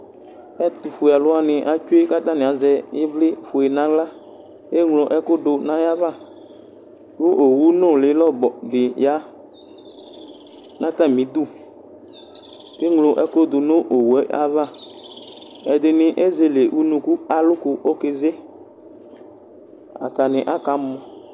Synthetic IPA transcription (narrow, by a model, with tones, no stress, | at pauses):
ɛ˦t̪u˨fʊ˨a˨lʊ˦a˦nɪ̃˨ʔa˨t͡ʃʊ˦e˦ka˦t̪a˦nɪ̃˨a˨˦zɛ˨jɪ˦vlɪ˦fʊ˨e˨nã˨˦ɡla˦ | e˦ŋlo˨ʔɛ˦kʊ˦dʊ˨nã˦ja˦va˦˨ | wo˦ʔo˨wu˦nʊ̃˦˨lɪ˨˦lɔ˦bɔ˨ɖɪ˨ja˨˦ | nã˦t̪a˦˨mĩ˨˦d̪u˦ | ke˦ŋlo˨ʔɛ˦kʊ˦d̪ʊ˨nʊ̃˦ʔo˨wu˨ɛ˨˦a̰˦va˦ | ɛ˨d̪ɪ˨nɪ˨ʔe˦ze˨le˨ʔu˦nũ˧ku˦a˨lʊ˦kʊ˨o˦ke˦ze˦ | a̰˨t̪a˨nɪ˨ʔa˨˦ka˨mɔ̃˨